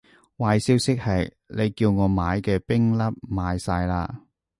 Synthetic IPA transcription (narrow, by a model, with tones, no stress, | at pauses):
waː˨˧jsiː˥wsɪ˥k̚hɐ˨j | le˨˧jkiː˧wŋɔː˨˧maː˨˧jkɛː˧pɪ˥ŋlɐ˥p̚maː˨˧jsaː˧jla̰ː˧